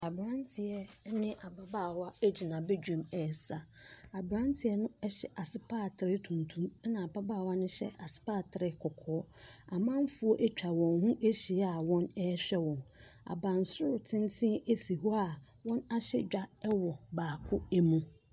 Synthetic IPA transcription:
a˨bɾã˦ntʰɪ˨ɛ˦nɪ̃˦ʔa˨ba˨baː˦˨wa˦e˦d͡ʑi˨nã˨bɛ˦d͡ʑᶣũ˨mɛ˨sa˨a˨bɾã˦ntʰɪ˨ɛ˦nʊ̃˦ɛ˦ɕɛ˨ʔa˨sɪ˨pʰaː˦˨tʰɪ˨ɾɪ˦tʰũ˨ntʰũ˦m˦nã˨a˨ba˦ba˦˨wa˦nʊ̃˦ɕɛ̰˦ʔa˨sɪ̥˦paː˦˨tʰɪ˨ɾɪ˦kʰɔ˨kʰɔː˦a˨mã˦m˦fu˦ɔ˦ʔæ˦t͡ɕᶣʰa˨wɔ̃˨nɦũ˦ʔe˦ɕi˨˦a˨wɔ̃˦nɛ˦ɕᶣɛ˦wɔ̃˨na̰˨bã˨n̩˨sʊ˦ɾʊ˨tʰɪ̃˦ntʰɪ̃˦e˦si˨hɔ˦a˨ | wɔ̃˦na˦ɕɛ̰˦d͡ʑᶣa˦ɛ˦wɔ˨baː˨kʰʊ˦æ˦mũ˦

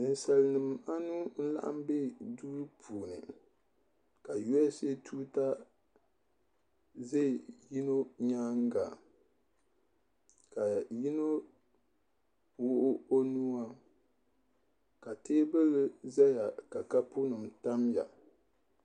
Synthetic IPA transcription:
nɨ˨n˨sa˨lnɨ˨m˨a˦nu˦n̩˦la̰˦ʔa̰˦m˦be˦duː˦ɾɨ˦pʰuː˨nɨ̰˨ | ka˨jo˦ɛ˦se˦tʰuː˦ta˦ | ze˦˨ji˦no˦ɲaː˦ŋ˦ɡa̰˨ | ka˨ji˦no˦ | wʊ˦ʔʊ˦o˦nu˦a˦ | ka˨teː˦bɨ˦lɨ˦za˦ja˨ka˨ka˦pu˦nɨ˨mta˦mja̰˨

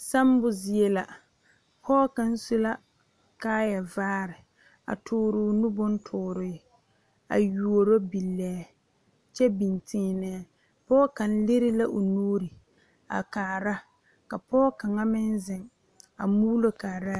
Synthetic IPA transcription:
sa˦m˦bʊ˨zɪ˨e˦la˨ | pʰɔː˦ka˨n̩˦su˦la˦ | kaː˦ja˨vaː˦ɾɪ˨ | a̰˨tʰʊː˦ɾʊ˨˦nʊ˦bʊ˦n˦tʰʊː˨ɾɪ˨ | a̰˨ju˨o˨ɾo˦bi˨lːɛː˨˦ | t͡ʃɛ˦bi˨ntɪː˦nɛ˦ | pɔː˦ka˨n̩˦lɪ˦ɾɪ˦la˦ʔo˨nuː˦ɾɪ˨ | a̰˨kaː˨ɾa˦ | ka˨pɔː˦ka˨ŋa˦mɪ˦nzɪ˨ŋ | a̰˨muː˦lo˦kaː˨ɾa˦

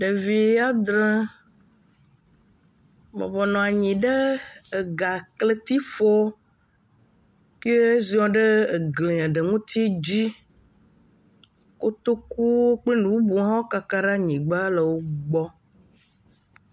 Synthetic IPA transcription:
ɖe˨vi˨a˦d̪ɾɛ̃˦ | mɛ̰̃˨vɔ˨nɔ̃˨a˨ɲĩ˨ɖe˦e˨ɡa˨kle˦t̪i˦fɔ˦ | kzi˦ɔ̃˦ɖe˦˨ɡlĩ˨ã˨ɖə˨ŋũ˦t̪i˦d͡ʑi˦ | ko˦t̪o˦ku˦wo˦k͡ple˦nũ˨bu˦bu˨˦ɦã˦wo˦ka˨ka˦ɖa˦ɲĩ˨ɡ͡ba˦lə˨wo˦ɡ͡bɔ˦

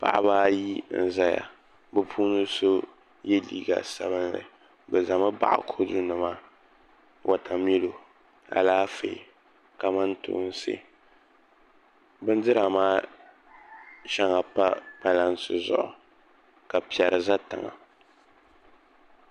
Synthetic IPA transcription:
pa̰˨ʔa̰˦βaː˦ji˦n̩˨za˦ja̰˨ | bɨ˦pʰuː˦nɨ˦so˦ | je˦lḭː˦ɡa̰˨sa̰˦βɨ˦nlɨ̰˨ | bɨ˨za˨ma˦ba̰˨ʔa̰˨kʰo˦dʊ˦nɨ˨ma˦ | wʔa˨tʰa˨m˦ɛ˦lo˨ | a̰˨laː˦fe˨ | ka˨ma˦ntʊ̰ː˦n˦sɨ̰˦ | bɨ˦n˦dɨ˦ɾa˨maː˦ | ʃa˦ŋa˨pa˦pa˦la˦nsɨ˨zʊ̰˨ʔʊ˨ | ka˨pi˨ɛ˨ɾɨ˨za˦ta˨ŋa̰˨

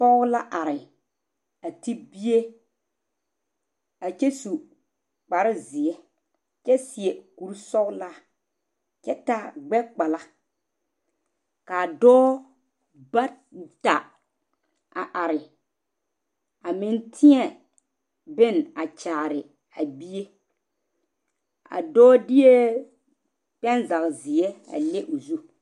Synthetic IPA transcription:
pɔ˦la˦ʔa˨ɾɪ˨ | a˨ti˦bi˦e˦ | a˨t͡ʃe˦su˨ | k͡pa˨ɾɪ˦zɪ˨ɛ˦ | t͡ʃɛ˦sɪ˨e˨ku˨ɾsɔ˦la˦ | t͡ʃɛ˦ta˨ɡ͡bɛ˦k͡pa˨la˦ | ka˨dɔː˦ | ba˦ | ta˨ | a̰˨ʔa˨ɾɪ˨ | a˨mɪ˨ntʰɪ˦ɛ˨ | bɪ˦na˨t͡ʃaː˨ɾɪ˨ | a˨bi˦je˦ | a̰˨dɔː˦dɪ˦je˦ | pɛ˦nza˨kzɪ˨ɛ˦a̰˨le˦ʔo˨zu˦

